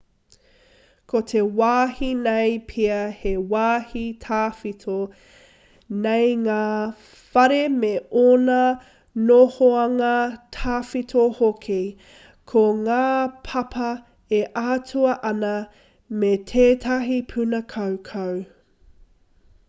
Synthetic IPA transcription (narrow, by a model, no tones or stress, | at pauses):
kʰotʰewaːhinejpʰiɐhewaːhitʰaːfitʰo | nejŋaː | fɐɾemeonɐ | nohoɐŋɐtʰaːfitʰohokʰi | kʰoŋaːpʰɐpʰɐ | eʔaːtʰuɐʔɐnɐ | metʰeːtʰɐɦipʰʉnɐkʰɐwkʰɐw